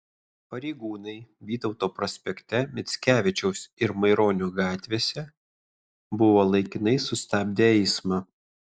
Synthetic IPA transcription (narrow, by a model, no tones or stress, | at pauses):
pɐɾʲɛɪɡuːnɐɪʋʲiːt̪ɒʊt̪oːpɾɔsʲpʲɛkʲt̪ʲɛmʲɪt̪sʲkʲæːʋʲɪt͡ʃʲɛʊsɪɾmɐɪɾoːnʲʊɡɑːt̪ʲʋʲeːsʲɛ | bʊʋoːlˠɐɪkʲɪnɐɪsʊsʲt̪ʲɑːbʲd̪ʲeɛɪsmɑː